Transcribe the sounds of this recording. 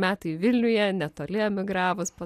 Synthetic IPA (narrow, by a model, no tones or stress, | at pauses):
mʲæːt̪ɐɪʋʲɪlʲnʲʊjɛnʲɛt̪oːlʲɪɛmʲɪɡɾɑːʋʊspɐ